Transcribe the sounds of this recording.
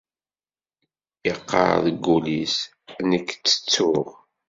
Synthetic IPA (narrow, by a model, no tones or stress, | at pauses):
jəqːɑ̰ɾðəɡːulis | nəkːt͡sːə̥t͡sːʊʁ